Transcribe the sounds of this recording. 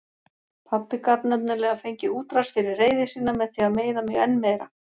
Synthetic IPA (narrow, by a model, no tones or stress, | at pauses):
pʰapːɪkat̪nœpnɪɾlɛːɣafejɲcɪuːt̪ɾasfɪɾɪɾreːjðɪsiːnːamɛðθiameːjðamɛɣɛnːmɛjɾa